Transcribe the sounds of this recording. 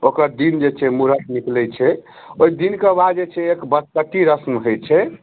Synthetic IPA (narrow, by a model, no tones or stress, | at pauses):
okəɾd̪ind͡ʒet͡ʃʰɛmuɾət̪niklɛt͡ʃʰɛ | ojd̪inkebad̪d͡ʒet͡ʃʰɛekbəskəʈiɾəsmɦojt͡ʃʰɛ